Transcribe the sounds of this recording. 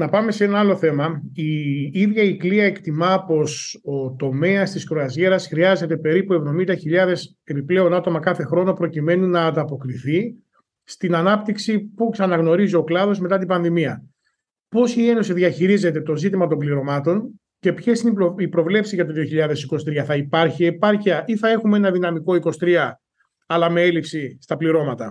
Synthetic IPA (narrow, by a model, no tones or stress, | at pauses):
nɐpɐme̞see̞nɐɐlo̞θe̞mɐiiðʝɐikliɐekt̪imɐpo̞so̞t̪o̞me̞ɐst̪iskɾoɐzʝe̞ɾɐsxɾiɐze̞t̪e̞pe̞ɾipue̞vðo̞mind̪ɐçiʎɐðe̞s | e̞piple̞o̞nɐt̪o̞mɐkɐθe̞xɾo̞no̞pɾo̞cime̞nunɐːnd̪ɐpo̞kɾiθi | st̪inɐnɐpt̪iksipuksɐnɐɣno̞ɾizio̞klɐðo̞zme̞t̪ɐt̪̬ibɐnðimiɐ | po̞sie̞no̞siðiɐçiɾize̞t̪e̞t̪o̞zit̪imɐt̪o̞mbliɾo̞mɐt̪o̞n | ce̞pçe̞sinipɾo̞vle̞psizʝɐt̪oðio̞çiʎɐðe̞siko̞st̪ɾiɐθɐipɐɾçiepɐɾçiɐʔiθɐe̞xumee̞nɐðinɐmiko̞iko̞st̪ɾiɐ | ɐlɐme̞e̞lipsist̪ɐpliɾo̞mɐt̪ɐ̰